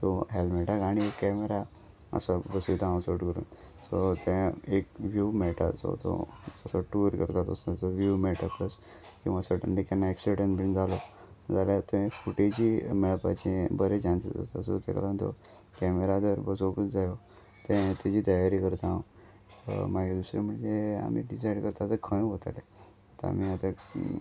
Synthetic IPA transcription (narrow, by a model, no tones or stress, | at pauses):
t̪oɦelmɛʈakaɽ̃iekːɛmeɾa | ə̰sabəsut̪ããsoʈkəɾṵːn | sot̪ɛ̃ekʋjumɛʈa̰so̰t̪o̰əsoʈuɾkəɾt̪at̪osat͡soʋjumɛʈakəs | kĩw̃ʋasəʈəɳɖikanːaeksiʈənbind͡zʱalo | d͡zaljat̪oẽfuʈid͡ʑimɛɭpa̰t͡ɕẽbəɾet͡ɕansəd͡zə̰səso̰t̪ḛka̰lant̪o̰ | kɛmeɾad̪əɾbəsokət͡sd͡zajo | t̪ẽt̪et͡ɕiːt̪əjaɾikəɾt̪aãw | maɡed̪usɾem̤əɳd͡zea̰mḭɖisaiɽkəɾt̪at̪əkʰə̃j̃ɦot̪a̰le | t̪əa̰m̤iat̪a